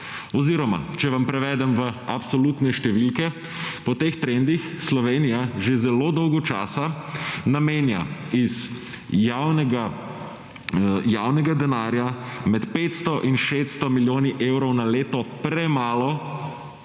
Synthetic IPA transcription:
ɔziːɾɔma̰t͡ʃɛʋampɾɛʋɛːd̪ɛmʋəapsɔlut̪nɛʃt̪ɛʋilkɛ | pɔt̪eːxt̪ɾend̪ixslɔʋeːnijaʒezɛlod̪ɔwɡɔt͡ʃa̰ːsanameːnja̰iz | jawnɛɡa | jawnɛɡad̪ɛnaɾjamɛt̪peːt̪st̪ɔʔinʃet̪st̪ɔmiljoːniʔewɾɔwnaleːt̪ɔpɾɛmaːlɔ

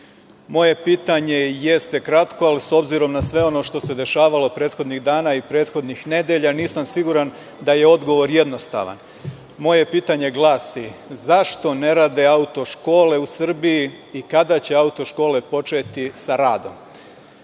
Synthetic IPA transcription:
mo̞je̞piːt̪aɲe̞jest̪e̞kɾat̪ko̞aliso̞bziɾo̞mnasʋe̞o̞no̞ʃt̪o̞se̞d̪e̞ʃaːʋalo̞pɾe̞ːt̪xo̞d̪niɣd̪aːnaipɾeːt̪xo̞d̪nixne̞d̪e̞ʎaniːsamsiɡuɾan | d̪aje̞o̞d̪ɡo̞ʋo̞ɾje̞d̪no̞st̪a̰ʋa̰n | mo̞je̞piːt̪aɲe̞ɡlˠaːsizaʃt̪o̞ne̞ɾaːd̪e̞aut̪o̞ʃko̞ːle̞usr̩biji | ikad̪at͡ɕe̞aut̪o̞ʃko̞ːle̞po̞t͡ʃe̞t̪isaɾaːd̪o̞̰m

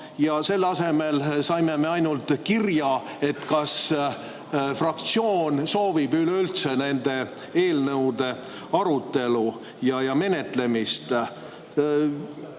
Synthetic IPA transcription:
jɑse̞lːɑse̞me̞lsɑjme̞me̞ɑjnult̪ˑkirjɑ | e̞t̪kɑs | frɑk̚t̪sio̞ːnso̞ːvib̥yleylt̪se̞ne̞nd̪̥e̞ | e̞ːlnɤwd̪̥e̞ | ɑɾut̪ːˑe̞lu | jɑjɑme̞ne̞t̪ˑle̞mist̪

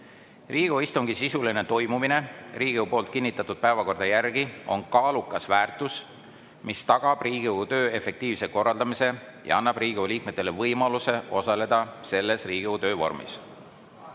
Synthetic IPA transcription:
riːɡ̥oist̪uŋɡ̥isisuline̞t̪o̞jmumine̞riːɡ̥iewupo̞ːlt̪̚kinʲːit̪ːˑɑt̪ːˑud̪̥̚pæevɑko̞rd̪ɑjærɡ̥iʔo̞nkɑːlukːˑɑsvæːrt̪ˑus | mist̪ɑɡ̥ɑb̥riːɡiut̪ø̞ːe̞fe̞k̚t̪iːvse̞ko̞rːɑld̪ɑmise̞ | jʔɑ̰ɑnːɑb̥riːɡ̥iuliːk̚me̞t̪ːˑe̞le̞vɤjmɑluse̞ʔo̞sɑle̞d̪̥ɑse̞lːe̞sriːɡ̥ut̪ø̞ːvo̞̰rmḭs

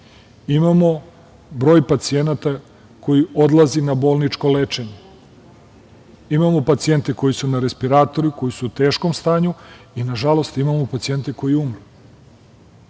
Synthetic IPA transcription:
imamo̞ | bɾo̞ːjpat̪sije̞nat̪a | ko̞jio̞d̪lˠazinabo̞ːlˠnit͡ʃko̞let͡ʃeɲe | imamo̞pat̪sie̞nt̪eko̞jisunaɾe̞spiɾaːt̪o̞ɾuko̞jisut̪e̞ːʃko̞mst̪aːɲu | inaʒalo̞st̪imamopat̪sije̞nt̪eko̞jiumɾu

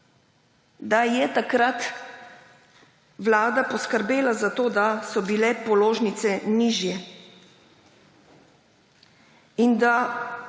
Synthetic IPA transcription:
d̪ajɛt̪akɾat̪ | wlaːd̪apɔskəɾbeːlazat̪oːd̪asɔbilɛpɔloːʒnit̪sɛniːʒjɛ | ind̪a

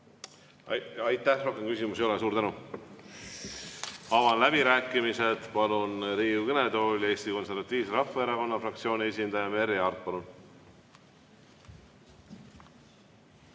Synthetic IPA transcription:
ɑjt̪ːˑæhro̞hkemkysʲimusejoles̬uːɾt̪ænu | ɑvɑnlæb̥iɾæːkːˑimise̞t̪pɑlunɾiːukened̪o̞ːlʲjɑe̞ːst̪iko̞nse̞ɾvɑt̪ːˑiːvseɾɑfːɑeɾɑko̞nːɑfrɑkt̪sio̞ːnʲie̞s̬ʲind̪ɑjɑme̞ɾeɑrt̪̚pɑlun

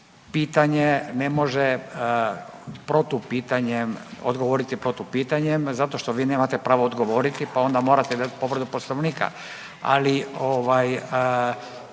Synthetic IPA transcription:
piːt̪aɲene̞mo̞ʒe | pɾot̪upiːt̪aɲemo̰d̪ɡo̞ʋo̞ɾit̪ipɾot̪upiːt̪aɲemzat̪o̞ʃt̪oʋiːne̞ːmat̪e̞pɾaːʋood̪ɡo̞ʋo̞ːɾit̪ipao̞nd̪amo̞ɾat̪eid̪at̪po̞ʋɾ̩d̪uposlnoʋniːka̰ | a̰lioʋaj

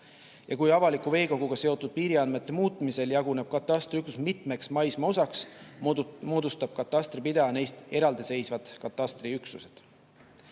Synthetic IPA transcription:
jɑkujɑvɑlikːˑuve̞ːko̞ɡ̥uɡ̥ɑse̞o̞t̪ːˑud̪̥̚piːɾiɑnme̞t̪ːe̞muːt̪ˑmise̞ljɑɡune̞b̥̚kɑt̪ˑːɑst̪riyksusmit̪ˑme̞ksmɑjsmɑo̞sɑks | moːd̪ust̪ɑb̥̚kɑt̪ˑːɑst̪ripid̪̥ɑne̞jst̪e̞ɾɑld̪̥ise̞jsvɑd̪̥kɑt̪ːˑɑst̪riyksuse̞d̪̥

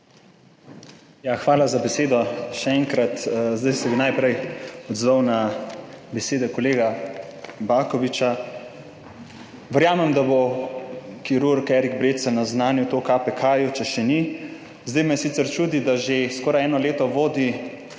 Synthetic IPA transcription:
jaxʋaːlazabɛseːd̪ɔʃɛɛŋkɾat̪zd̪ɛjsɛbinajpɾɛjɔd̪zʋawna | bɛseːd̪ɛkɔleːɡa | baːkɔʋit͡ʃa | ʋəɾjaːmɛmd̪abo | kiɾuɾkɛɾiɡbɾeːt̪sɛnaznaːnjut̪okapɛkʰaːjut͡ʃɛʃɛni | zd̪əjmɛsit̪sɛɾt͡ʃuːd̪id̪aʒeskɔːɾajɛːnɔleːt̪ɔʋoːd̪i

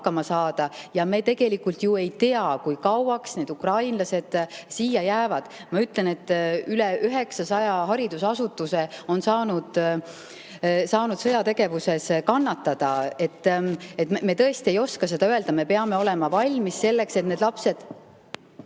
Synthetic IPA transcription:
kːɑmɑsɑːd̪̥ɑjɑme̞ːt̪e̞ɡ̥e̞likːˑult̪ˑjue̞jt̪e̞ɑkujkɑwɑksne̞ːd̪ukrɑjnlɑse̞d̪̥siːjɑjæːvɑd̪̥ | mɑyt̪le̞ne̞t̪ːyleʔyɦe̞ksɑsɑjɑɦɑɾid̪̥usɑsut̪ːˑuse̞o̞nsɑːnud̪̥ | sɑːnud̪̥sɤ̞jɑt̪e̞ɡ̥e̞vuse̞skɑnːɑt̪ːɑd̪̥ɑe̞t̪ːet̪ːme̞t̪ɤ̞est̪ie̞jo̞skɑse̞d̪ɑøe̞ld̪ɑme̞pe̞ɑme̞o̞le̞mɑvɑlʲmisse̞lːe̞kse̞t̪ne̞d̪lɑpse̞d̪̥

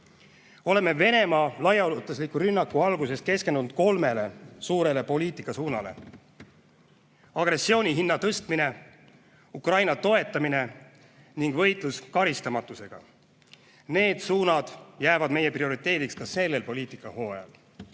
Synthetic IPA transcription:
o̞le̞me̞ve̞ne̞mɑːlɑjɑlut̪ˑuslikːˑuɾynːɑkːˑuɑlɡ̥use̞ske̞ske̞nd̪̥unudt̪̚ko̞lme̞le̞suːɾe̞le̞po̞liːt̪ˑikːˑɑsuːnɑ̰le̞̰ | ɑɡ̥re̞sːio̞ːnʲiɦinːɑt̪ɤst̪mine̞ | ukrɑjnɑt̪o̞e̞t̪ːˑɑmine̞ | niŋɡ̥vɤ̞jt̪ˑluskɑɾist̪ɑmɑt̪ːˑuse̞ɡ̥ɑ̰ | ne̞ːd̪̥suːnɑd̪̥jæːvɑd̪me̞je̞prio̞ɾit̪ːˑe̞ːd̪ikskɑse̞lːe̞lpo̞lʲiːt̪ˑikːˑɑho̞ːjɑ̰l

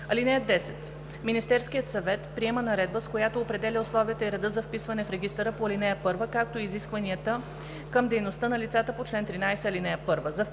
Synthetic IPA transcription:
ɐlinɛjəd̪ɛsɛt̪ | minist̪ɛɾskijət̪sɐvɛt̪pɾiɛmənɐɾɛd̪̚bəskojat̪oːpɾɛd̪ɛlʲiʊslˠɔviət̪əiɾɛd̪ɤzɐfpisvɐnɛfɾɛɡist̪əɾəpoɐlinɛjəpɤɾvəkak̚t̪oiziskvɐniət̪ə | kɤmd̪ɛjnost̪ənɐlʲit̪sat̪əpot͡ʃlɛnt̪ɾinajsɛɐlinɛjəpɤɾvəzɐf

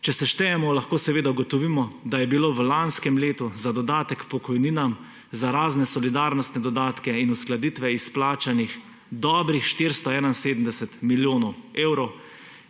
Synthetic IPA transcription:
t͡ʃɛsɛʃt̪ɛjɛmɔlaxkoːsɛʋeːd̪auɡɔt̪ɔʋimɔd̪ajɛbiloːʋlanskɛmleːt̪uzad̪ɔd̪aːt̪ɛkpɔkɔjniːnam | zaɾaːznɛsɔlid̪aːɾnɔst̪nɛd̪ɔd̪aːt̪kɛinusklad̪it̪ʋɛisplaːt͡ʃanix | d̪ɔːbɾixʃt̪iɾst̪ɔɛːnainseːd̪əm̩d̪ɛsɛt̪miljoːnɔweːwɾɔw

